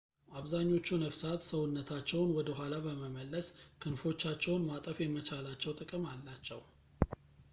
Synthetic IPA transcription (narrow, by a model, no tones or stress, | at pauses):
ʔaβzaɲːo̞t͡ʃːunəβsat̪səwʊnːət̪ʰat͡ʃːɛwnwɔd̪əɦʷalabəməməlːəskʰɨnfo̞t͡ʃːat͡ʃːɛwnmat̪ʼəfjɛmət͡ʃʰalat͡ʃːɛwt̪ʼɨkʼɨmalːat͡ʃːɛw